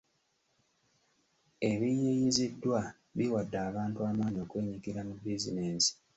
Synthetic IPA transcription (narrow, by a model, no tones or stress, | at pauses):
e̞βijiɲizidːwa | βiwadːaːβaːntuaːmaːɲio̞kwe̞ːɲikiɾamubizineːsi̥